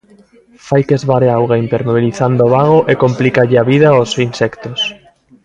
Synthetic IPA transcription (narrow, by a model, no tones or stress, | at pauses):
fajkezβaɾeawɣaint̪eɾnoβ̞iliθand̪oːβaɣ̞oʔekomplikaʎɪaβiðaosinsɛkt̪os